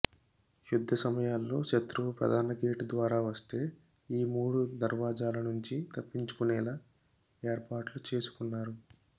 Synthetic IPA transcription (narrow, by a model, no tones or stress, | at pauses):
jud̪ʱːɐsɐmɐjaːlːo̞ːʃɐt̪ɾuʋɐpɾɐ̰d̪ʱaːnɐkeːʈud̪ʋaːɾaːʋɐst̪e̞ː | iːmuːɽud̪ɐɾʋaːd͡ʒaːlɐnuɲt͡ʃit̪ɐpːiɲt͡ʃu̥kunɛːlaː | e̞ːɾpaːʈlut͡ʃe̞ːsu̥kunːaːɾu